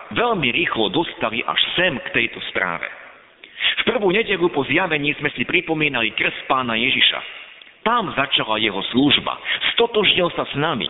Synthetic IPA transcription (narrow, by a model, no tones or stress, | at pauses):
ʋɛʎmiɾiːxlɔd̪ɔst̪aliʔa̰ʃsɛmkt̪ɛjt̪ɔspɾa̰ːʋɛ̰ | fpr̩ʋuːɲɛɟɛʎupɔzjaʋɛɲiːzmɛsipɾipɔmiːnalikr̩st̪paːnajɛʒiʃa̰t̪amzat͡ʃalajɛɦɔsluːʒba̰st̪ɔt̪ɔʒɲilsasnamḭ